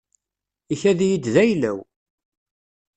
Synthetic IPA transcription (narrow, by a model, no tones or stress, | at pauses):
içæðijid̪ðæjlæw